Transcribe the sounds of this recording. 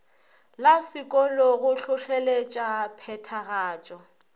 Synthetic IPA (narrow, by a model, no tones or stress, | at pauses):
lasɪkʼɔlɔɣʊɬʊɬɛlet͡ʃʼapʰɛtʰaɣaːt͡ʃʼɔ